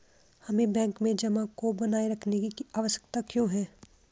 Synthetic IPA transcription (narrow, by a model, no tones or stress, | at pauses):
hɐmẽbɛ̃ːŋkmẽd͡ʒɐmãkobɐnaːeɾɐkʰnekikiaːʋəʃə̥kt̪akjõːɦɛː